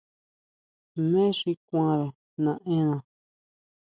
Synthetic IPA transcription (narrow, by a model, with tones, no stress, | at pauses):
mẽ˦ʂi˧kʷã˦ɾa˨ | nã˨˧ʔẽ˦nã˧